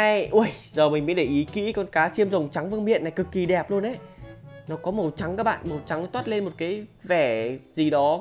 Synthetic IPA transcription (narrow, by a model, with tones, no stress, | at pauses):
a˧jʔu˧ə˧˩jzəː˨˩mï˨˩ŋ̟mḭ˧˥nɗe˧˩ʔi˨˦kḭ˧˥kɔ˧nkaː˨˦si˧əmzə˨˩wŋ͡mt͡ɕa˨˦ŋvɨ˧əŋmḭ˧˨ənːa˨˩jkɨ˨˩kːi˨˩ɗɛ˨˩p̚lu˧ənʔe˨˦nɔ˨˦kɔ˨˦mə˨˩wt͡ɕa˨˦ŋkaː˦˥k̚ɓa̰ː˧˨nmə˨˩wt͡ɕa˨˦ŋ˨˦t̪waː˦˥t̚le˧nmo˨˩t̚kaː˨˦jvɛ˧˩zi˨˩ɗɔ˨˦